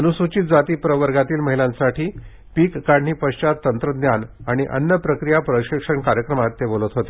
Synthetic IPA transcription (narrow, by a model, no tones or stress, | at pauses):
ənusut͡ɕiːt̪̚d͡zat̪iːpɾəʋəɾɡat̪iːlməɦilãnsaʈʰiː | piːkːaɳɳiːpəɕt͡ɕat̪ːənt̪ɾəd̪njanaɽ̃iʔə̰nːəpɾəkɾijapɾəɕikʂəɳkaɾjəkɾəmat̪ːebolət̪ɦot̪e